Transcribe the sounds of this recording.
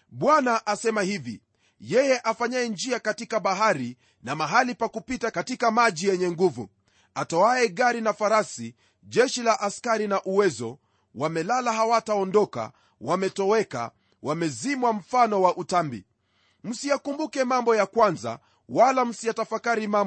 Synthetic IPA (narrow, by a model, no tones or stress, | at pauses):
ɓwanaʔasɛmahivḭ | jɛjɛʔafaɲaɛnd͡ʒiakatikaɓaɦaɾi | namaɦalipakupitakatikamaʄijɛɲɛŋɡuvṵ | atɔaɛɡaɾinafaɾasi | ʄɛʃilaʔaskaɾinaʔuwɛzɔ̰ | wamɛlalaɦawataɔndɔka̰ | wamɛtɔɛka̰ | wʔamɛzimwam̩fanɔwaʔutambḭ | m̩sijakumbukɛmambɔjakwanza̰ | walam̩sijatafakaɾimamb